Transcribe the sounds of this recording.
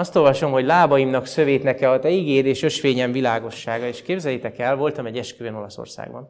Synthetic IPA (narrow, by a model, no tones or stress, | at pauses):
ɒst̪o̞lvɒʃo̞mɦo̞ɟlaːbɒjimnɒksø̞veːt̪nɛkɛɒt̪ɛiɡeːɾeːʃø̞ʃʋeːɲɛɱvilaːɡo̞ʃːaːɡɒeːʃkeːbzɛjɛt̪ɛkɛlvo̞lt̪ɒmɛɟːɛʃkyøno̞lɒso̰rsa̰ːɡ̚bɒ̰n